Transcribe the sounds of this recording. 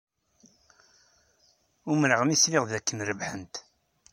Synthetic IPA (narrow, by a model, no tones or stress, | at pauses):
ʊmɾəʁmislɪʁðækːənɾəvħənt̪